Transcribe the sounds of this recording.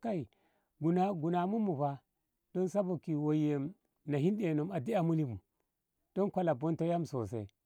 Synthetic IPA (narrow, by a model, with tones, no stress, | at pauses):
ka˦i˨ | ɡu˨na˦ɡu˨na˨mu˦mu˨ba˦ | d̥o˦nsa˦bo˨ki˨wo˨je˨m | na˨ɦi˦nde˨no˨ma˨di˦a˨mu˦li˦mu˨ | d̥o˦nkʷa˦la˨bo˦nto˦ja˦mso˨sḛ˨